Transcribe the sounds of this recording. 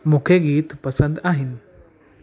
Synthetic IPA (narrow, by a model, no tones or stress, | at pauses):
mukʰeɡiːt̪pəsənd̪aɦin